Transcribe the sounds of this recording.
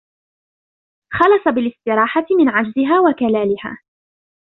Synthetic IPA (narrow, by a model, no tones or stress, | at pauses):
xɑlɑsˤɑbɪlɪst̪ɪɾɑːħat̪ɪmɪnʕad͡ʒzɪɦaːwakalaːlɪha̰ː